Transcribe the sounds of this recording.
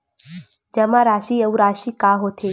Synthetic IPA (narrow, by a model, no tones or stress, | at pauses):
d͡ʒɐmãɾaːʃiːəuɾaːʃikaːɦot̪ʰeː